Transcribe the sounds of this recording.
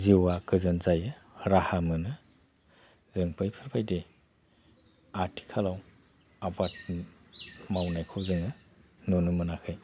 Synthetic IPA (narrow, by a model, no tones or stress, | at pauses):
ziwakʰɯzɯnzajɯɾahamɯnɯ | zɯŋpʰɯjpʰɯɾbʰajde | atʰi̥kʰalaw | abat̚ | mawnajkʰɔwzɯŋɯ | nonɯmɯnakʰɯj